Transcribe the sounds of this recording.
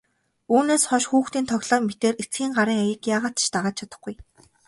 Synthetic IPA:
uːneːsχɔʃxuːxt̪iːnt̪ʰɔɣɮɔːmet̪eːret͡sɡiːŋɢaɾiːŋaɣʲɪ̆kjaːʁaːt̪t͡ɕt̪aʁaːt͡ɕ̚t͡ɕʰat̪ə̆χɡuj

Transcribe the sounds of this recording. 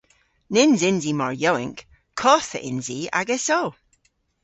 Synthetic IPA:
nɪnzɪnzimɔɹjɔwɪ̰ŋk | kʰːɔθəʔɪ̰nzia̰ɡɛsɔw

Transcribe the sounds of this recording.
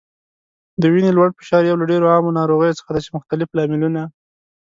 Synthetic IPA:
d̪əwinelwaɽfə̥ʃɑɾjawlaɖeɾoɑmonɑɾoɣəjot͡sə̥xad̪asemʊxt̪alɪflɑmɪluna

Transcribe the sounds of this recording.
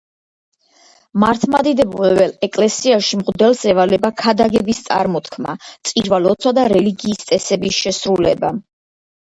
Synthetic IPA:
maɾt̪ʰmad̪id̪ɛbulɛbɛlɛkʼlɛsiaʃimʁd̪ɛlsɛvalɛbakʰad̪aɡɛbist̪sʼa̰ɾmɔt̪ʰkʰma̰t̪sʼiɾvalɔt̪sʰwad̪aɾɛliɡiːst̪sʼɛsɛbisʃɛsɾulɛ̰ba

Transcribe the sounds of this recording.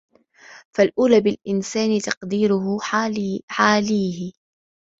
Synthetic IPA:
falʔuːlaːbɪlʔɪnsaːnɪt̪ɑqd̪iːɾʊh | ħaːliːhɪ

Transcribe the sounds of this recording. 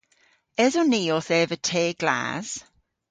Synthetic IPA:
ɛzɔniːɔθɛːvətʰeːɡ̥la̰ːz̥

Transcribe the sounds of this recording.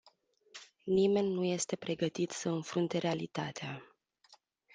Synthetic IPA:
nime̞nʲnːuje̞st̪e̞pɾe̞ɡət̪it̪səɨnfɾunt̪e̞ɾealit̪at̪ea

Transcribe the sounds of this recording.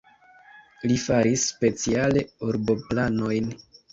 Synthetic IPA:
lifaɾisːpe̞t͡siale̞uɾbo̞plano̞jn

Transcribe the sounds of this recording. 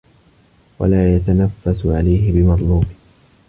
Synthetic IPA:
wa̰laːjat̪anafːasʊʕalajɦɪbɪmɑd̪ˤluːbɪ

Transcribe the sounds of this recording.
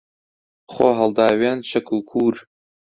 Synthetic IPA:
χoːɦɐlˠd̪aːwenʃɐkʰɨlkʰuːɾ

